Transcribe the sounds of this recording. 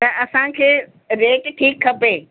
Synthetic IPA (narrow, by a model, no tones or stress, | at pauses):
t̪ɐʔɐsãkʰeː | ɾeːʈʈʰiːkʰːɐpeː